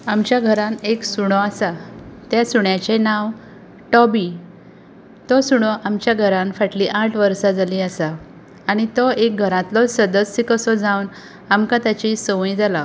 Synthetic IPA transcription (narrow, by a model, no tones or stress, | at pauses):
amt͡ɕjaɡʱəɾãneksuɽ̃ɔasat̪jasuɳjat͡ɕenãw | ʈɔbi | t̪ɔsuɽ̃ɔʔamt͡ɕjaɡʱəɾãnfaʈliʔãʈʰʋəɾsad͡zaliəsaː | ɽ̃it̪ɔek̚ɡʱəɾãt̪lɔsəd̪əsikəsɔd͡zãwn | amkãt̪jat͡ɕisəʋĩd͡zala